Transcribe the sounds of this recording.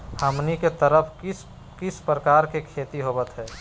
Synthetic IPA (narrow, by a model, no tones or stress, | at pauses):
həmniket̪əɾəpʰs | kɪspɾəkaːɾkekʰeːt̪iɦobət̪ɦɛː